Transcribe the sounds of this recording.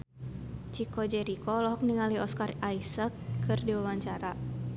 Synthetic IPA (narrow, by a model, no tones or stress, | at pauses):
t͡ʃikɔd͡ʒɛɾikɔlɔɦɔk̚niŋaliɔskaraisəkːɨrdiwawaɲt͡ʃaɾa